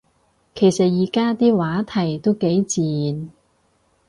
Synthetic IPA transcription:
kʰe˨˩jsɐ˨t̚jiː˨˩kaː˥t̪iː˥waː˨˥t̪ʰɐ˨˩jt̪o˥wke˨˥jt͡siː˨n

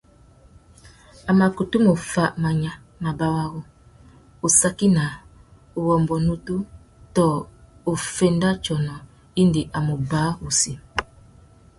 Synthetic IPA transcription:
a˨ma˨ku˨tu˦mo˨fa˦ʔma˨ɲa˨ | ma˨ba˦wa˦ɣo˦ | o˨sa˦ki˦na˨ | o˨wɔ˨mbɔ˨nu˦tu˦ | tɔ˨o˨fe˦nda˦t͡ʃɔ˨nɔ˨ | i˦ndi˨ʔa˨mo˨ba˨˦u˨si˦

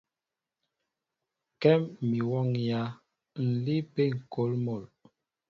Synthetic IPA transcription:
kɛ˦mːi˨wɔ˦˨ŋja˦ | n̩˨li˦pe˦ŋ̩˨ko˨˦lmo˦˨l

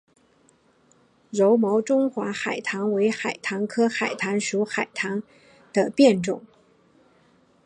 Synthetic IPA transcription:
ɻo˧˥ʊmo˧˥ʊʈ͡ʂʊ˥ŋxwa˧˥xa˨˩ɪt̪ʰɑ˧˥ŋwe˧˥ɪxa˨˩ɪt̪ʰɑ˧˥ŋkʰɤ˥xa˨˩ɪt̪ʰa˧˥nʂu˧˥xa˨˩ɪt̪ʰɑ˧˥ŋ | d̪̥ə˧pjɛ˥˧nʈ͡ʂʊ̰˥˩˦ŋ

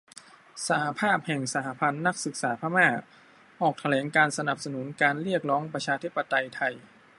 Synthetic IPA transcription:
sa˧ha˧pʰaː˥˩p̚hɛ˨˩ŋsa˧ha˧pʰa˧nːa˦˥k̚sɯ˨˩k̚saː˩˦pʰaː˧maː˥˩ | ʔɔː˨˩k̚t̪ʰa˧lɛː˩˦ŋkaː˧nsa˧na˨˩p̚sa˧nu˩˦nkaː˧nɾi˥˩ək̚ɾɔː˦˥ŋpɾa˧t͡ɕʰaː˧t̪ʰi˦˥˩pːa˧t̪a˧jt̪ʰa˧j

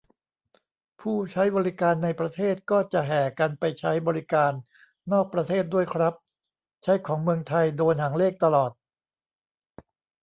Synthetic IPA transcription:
pʰuː˥˩t͡ɕʰa˦˥jbɔː˧ɾi˦˥kaː˧nːa˧jpɾa˧t̪ʰeː˥˩t̪̚kɔː˥˩t͡ɕa˨˩ʔɦɛː˩ka˧npa˧jt͡ɕʰa˦˥jbɔː˧ɾi˦˥kaː˧nː | oː˥˩k̚pɾa˧t̪ʰeː˥˩t̪̚du˥˩əjkʰɾa˦˥p̚ | t͡ɕʰa˦˥jkʰɔː˩˦ŋmɯ˧əŋt̪ʰa˧jdoː˧nɦa˩˦ŋleː˥˩k̚t̪a˧lɔː˨˩t̪̚

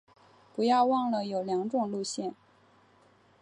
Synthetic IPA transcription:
pu˧˥jɑ˥˧ʊwɑ˥˩ŋlə˩jo˨˩ʊljɑ˧˥ŋʈ͡ʂʊ˨˩ŋlu˥˧ɕjɛ˥˩n

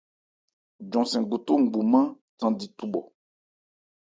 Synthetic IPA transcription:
d͡ʒɔ̃˨sɛ̃˨ɡo˨to˦ŋ̩˨ɡ͡bu˨mã˦ | tã˨di˨tu˦ɓɔ̰˨

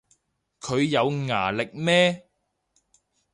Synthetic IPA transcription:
kʰɵ˨˧ɥjɐ˨˧wŋa̰ː˨˩lɪ˨k̚mɛː˥

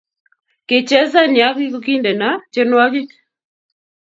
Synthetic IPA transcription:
ke˨t͡ʃɛ˦za˦nja˨˦ki˦ko˦ki˦ndɛ˨na˨t͡ʃe˦nwa˦ki˦

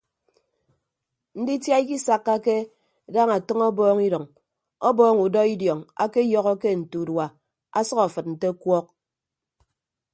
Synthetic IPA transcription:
n̩˦di˦tja˦i˦ki˦sa˦kːa˦ke˦ | da˦ŋa˨tɔ˦ŋɔ˦bɔː˦ŋi˦dɔ˨ŋ | ɔ˦bɔː˦ŋu˨dɔ˦i˦djɔ˨ŋa̰˦ke˦jɔ˦ɣɔ˦ke˦n̩˨tu˨dwa˨ | a̰˦sʌ˦ka˨fɨ˨t̚n̩˨te˦kwɔ˦k̚

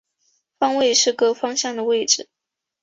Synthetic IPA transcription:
fɑ˥˧ŋwe˥˧ɪʂɻ̩˥˩kɤ˥fɑ˥ŋɕjɑ˥˩ŋd̪ə˩we˥˧ɪʈ͡ʂɻ̩˥˩˦

